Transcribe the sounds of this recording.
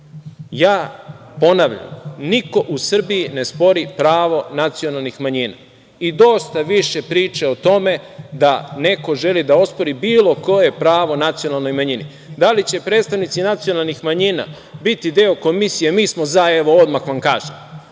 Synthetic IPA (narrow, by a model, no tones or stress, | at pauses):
jaː | po̞naʋʎa̰mniko̞ʔusr̩bijine̞spo̞ɾipɾaːʋo̞nat̪sijo̞nalˠnixmaɲina̰ | id̪o̞st̪aʋiʃe̞pɾiːt͡ʃeot̪o̞me̞d̪ane̞ko̞ʒe̞lid̪ao̞spo̞ɾibiːlo̞ko̞je̞pɾaːʋo̞nat̪sio̞nalˠno̞jmaɲinḭ | d̪alit͡ɕe̞pɾed̪st̪aʋnit̪sinat̪sio̞nalˠnixmaɲina̰ | bit̪id̪eo̞ko̞misijemiːsmo̞zaeʋo̞od̪maxʋamkaːʒem